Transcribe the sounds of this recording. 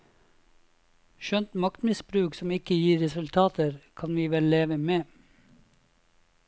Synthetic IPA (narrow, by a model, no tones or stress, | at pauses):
ʃœnt̪mɑkt̪mɪsbɾʉːksɔmɪkəjiːɾɛsʉlt̪ʰɑːt̪əɾkʰɑnʋiːʋɛleːʋəmeː